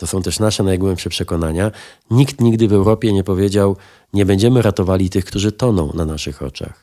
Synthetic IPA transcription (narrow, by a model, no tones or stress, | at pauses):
t̪ɔsɔ̃w̃t̪ɛʂnaʂɛnajɡwɛmpʂɛpʂɛkɔn̪aɲa | ɲikt̪ɲiɡd̪ɘvɛwɾɔpʲjɛɲɛpɔvʲjed͡ʑaw | ɲɛbɛɲd͡ʑɛmɘɾat̪ɔvalʲit̪ɘxkt̪uʐɘt̪ɔnɔ̃w̃nanaʂɘxɔ̰t͡ʂa̰x